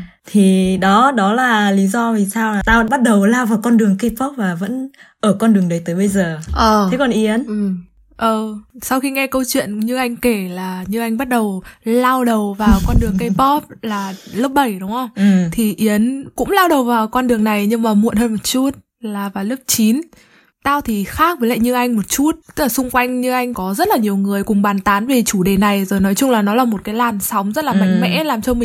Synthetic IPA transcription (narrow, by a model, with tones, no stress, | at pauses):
t̪ʰi˨˩ɗɔ˨˦ɗɔ˨˦laː˨˩li˨˦zɔ˧tʰi˨˩saː˧wlaː˨˩t̪aː˧və̰˧˥nɓa˦˥t̚ɗə˨˩wlaː˧wvaː˨˩wkɔ˧nɗɨ˨˩əŋkə˧jpɔ˦˥p̚vaː˨˩və̰˧˥nʔəː˧˩kɔ˧nɗɨ˨˩əŋɗə˨˩jt̪əː˨˦jɓə˧jzəː˨˩ʔəː˨˩e˨˦kɔ˨˩nʔi˨˦ənʔ | ʔəː˨˩sa˧wxi˧ŋɛ˧kə˧wt͡ɕwḭ˧˨ənɲɨ˧ʔa˧jŋ̟ke˧˩laː˨˩ɲɨ˧ʔa˧jŋ̟ɓa˦˥t̚ɗə˨˩wlaː˧wɗə˨˩wvaː˨˩wkɔ˧nɗɨ˨˩əŋkə˧jpɔ˦˥p̚laː˨˩ləː˦˥p̚ɓə˧˩jɗʊ˨˦wŋ͡mhə˧wŋ͡mt̪ʰi˨˩ʔi˨˦ənkʊ̰˧˥ŋ͡mlaː˧wɗə˨˩wvaː˨˩wkɔ˧nɗɨ˨˩əŋna˨˩jɲɨ˧ŋmaː˨˩mṵ˧˨ənhəː˧nmo˨˩t̚t͡ɕu˦˥t̚ | laː˨˩vaː˨˩ləː˦˥p̚t͡ɕi˨˦n | t̪aː˧wt̪ʰi˨˩xaː˦˥k̚vəː˨˦la̰ː˧˨ɲɨ˧ʔa˧jŋ̟mo˨˩t̚t͡ɕu˦˥t̪̚ɨ̥˦˥k̚laː˨˩sʊ˧ŋ͡mkwa˧jŋ̟ɲɨ˧ʔa˧jŋ̟kɔ˨˦zə˦˥t̚laː˨˩ɲi˨˩əwŋɨ˨˩əjkʊ˨˩ŋ͡mɓaː˨˩nt̪aː˨˦nve˨˩t͡ɕu˧˩ɗe˨˩na˨˩jzo˨˩jnɔ˨˦jt͡ɕʊ˧ŋ͡mlaː˨˩nɔ˨˦laː˨˩mo˨˩t̚kaː˨˦jlaː˨˩msa˨˦wŋ͡mzə˦˥t̚laː˨˩ma̰˧˥jŋ̟mɛ̰˧˥laː˨˩mt͡ɕɔ˧mï˨˩